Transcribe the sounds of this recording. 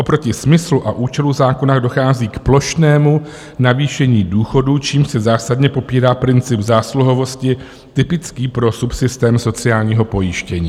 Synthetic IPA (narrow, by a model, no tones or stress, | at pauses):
ʔo̞pɾo̞cɪsmɪsluʔaʔuːt͡ʃɛluzaːko̞naːɣdo̞xaːziːkplo̞ʃnɛːmu | naviːʃɛɲiːduːxo̞dut͡ʃiːmsɛzaːsadɲɛpo̞piːɾaːpɾɪnt͡sɪbzaːsluɦo̞vo̞scɪ | t̪ɪpɪt͡skiːpɾo̞supsɪst̪ɛːmso̞t͡sɪaːlɲiːɦo̞po̞jɪʃcɛɲiː